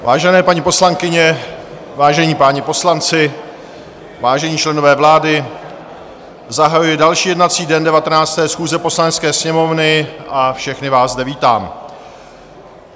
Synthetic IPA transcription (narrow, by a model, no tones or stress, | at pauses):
vaːʒɛnɛːpaɲipo̞slaŋkɪɲɛ | vaːʒɛɲiːpaːɲɪpo̞slant͡sɪ | vaːʒɛɲiːt͡ʃlɛno̞vɛːvlaːdɪ | zaɦajujɛdalʃiːjɛdnat͡siːdɛndɛvat̪ɛnaːt͡st̪ɛːsxuːzɛpo̞slanɛt̪t͡skɛːsɲɛmo̞vnɪʔafʃɛxnɪvaːszzdɛviːt̪a̰ːm